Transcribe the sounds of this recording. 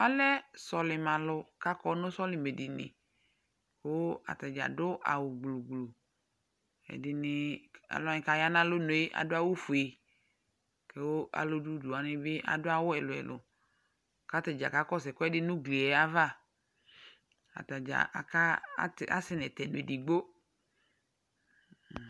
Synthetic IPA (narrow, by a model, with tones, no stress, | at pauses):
a˦lɛ˦sɔ˨lɪ˨mã˨lʊ˨ka˦kɔ˦nʊ̃˦sɔ˦lɪ˨me˨dɪ˨nɪ̰̃˨ | ke˨˦wo˦a̰˨t̪a˨d͡ʒa̰˨dʊ˦ʔa̰˨wʊ˨ɡ͡blo˨ɡlo˨ | ɛ̰˨dɪ˨nɪ˨a̰˨la˦nɪ̃˨˦ka˨ja˦nã˦lʊ˦no˨e˦ʔa̰˨dʊ˦a˦wo˦fu˨e˨ | ke˦wo˦ʔa̰˨lo˦du˦du˨a˨nɪ˦be˦ʔa̰˨dʊ˦a˦wʊ˦ɛ˨lʊ˨ɛ̰˨lʊ̰˨ | ka˦t̪e˨d͡ʒa̰˨ka˦kɔ˦sɛ˨kɔ˦ɛ˦dɪ˦nũ˦ɡli˨ɛ˨a˦va˦˨ | a̰˨ta˨d͡ʒa̰˨ʔa̰˨ka̰˦ta̰˦sɪ˦nɛ˨t̪ɛ˨n˨e˨di˨ɡ͡bo˦˨